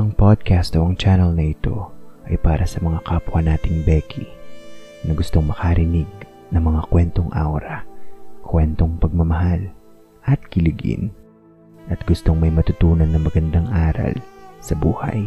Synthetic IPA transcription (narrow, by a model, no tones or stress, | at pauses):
ʔɐŋpod̪̚kast̪oʔɐŋt͡ʃanɛlnɐʔɪt̪o̞̰ʔɐjpaːɾɐsɐmɐŋakɐpʊɐnaːt̪ɪŋbɛkʰi | nɐɡʊst̪o̞ŋmɐkaɾɪniɡ̚ | nɐŋmɐŋakwɛnt̪o̞ŋʔa̰wɾɐkʰwɛnt̪o̞ŋpɐɡ̚mɐmɐɦal | ʔɐt̪̚kɪlɪɡɪ̰n | ʔɐt̪̚ɡʊst̪o̞ŋmɐjmɐt̪ʊt̪uːnɐnːɐŋmɐɡɐnd̪aŋʔaːɾɐ̰lsɐbuːha̰j